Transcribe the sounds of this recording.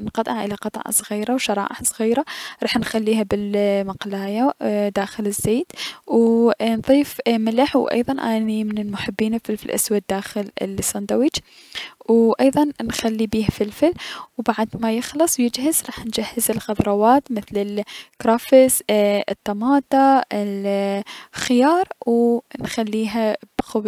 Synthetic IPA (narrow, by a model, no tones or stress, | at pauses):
nqɑt̪ˤʔɑʕʔɪlaqɑt̪ˤʕɑ̰sˤɣiːɾawʃɑɾˤɑ̰ːʔɪħsˤɣiːɾaɾˤɑːħnxalːiːhabɪlmaqlaːjad̪aːxɪlɪzːeːt̪wnðˤiːfmɪlɪħwʔɑ̰jðˤɑnʔanimɪnɪlmʊħɪbːiːnɪfɪlfɪlʔa̰swad̪̚ːaːxɪlɪ̰lsɑnd̪awid͡ʒ | wʔɑjðˤɑnnxalːibiːhfɪlfɪlwbaʕd̪majɪxlɨsˤwjɪd͡ʒhɪzɾˤɑːħnd͡ʒahːɪzɪlɣɑðɾˤɑwaːt̪mɪθlɪlkɾˤɑːfɪsɪt̪ˤːɑmɑːt̪ˤɑɪl | xɪjɑːɾˤwnxalːiːɦabxʊb